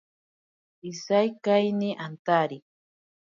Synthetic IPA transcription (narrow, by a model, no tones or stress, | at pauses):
isajkajniʔant̪aɾi